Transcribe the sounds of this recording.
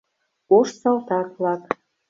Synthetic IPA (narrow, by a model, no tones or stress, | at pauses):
oʃsɑlt̪ɑklɑk